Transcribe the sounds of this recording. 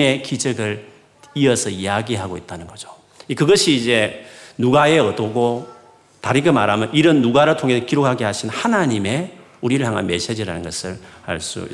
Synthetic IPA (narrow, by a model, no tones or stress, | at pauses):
e̞kid͡ʑʌɡɯɭ | iʌsʰʌijaɡiɦaɡoit̚t͈anɯnɡʌd͡ʑo̥ | ikɯɡʌɕʰiːd͡ʑe̞nuɡae̞ʌdoɡo | taɾiɡema̰ɾɦamjʌnʔiɾɯnːuɡaɾɯɭtʰoŋɦe̞sʌkiɾok̚haɡeɦaɕʰinhanaɲime̞ | uɾiɾɯɭhjaŋɦanme̞sed͡ʑiɾanɯnɡʌsʰɯɭa̰ɭs͈ṵi